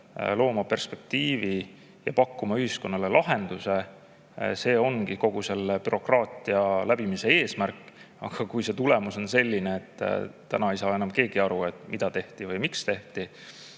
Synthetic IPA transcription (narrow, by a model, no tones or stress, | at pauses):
lo̞ːmɑpe̞rspe̞k̚t̪iːvi | jɑ̰pɑkːumɑyhisko̞nːɑlelʔɑɦe̞nd̪̥use̞ | se̞ːo̞ŋɡ̥iko̞ɡ̥use̞lepyɾo̞krɑːt̪ˑiɑlæb̥imise̞e̞ːsmærkːˑ | ɑ̰ɡ̥ɑkujse̞t̪ulemuso̞nse̞lʲːineet̪ːt̪ːænɑejsɑːenɑmke̞ːɡ̥iɑɾue̞t̪ˑmid̪̥ɑt̪e̞ht̪ivɯjmikst̪e̞ht̪i